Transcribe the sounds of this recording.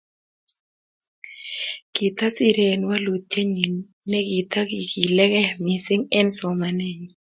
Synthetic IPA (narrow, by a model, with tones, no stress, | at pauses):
kɪ˨t̪a˦si˦ɾe˨nwa˦lo˨te˦ɲi˨nː | ɛ˦ɡɪ˨t̪a˦ɡi˨ki˨lɛ˦kɛ˦mɪ˨sɪ˦ŋɛ˦nsɔ˨ma˨nɛ˦˨ɲ˨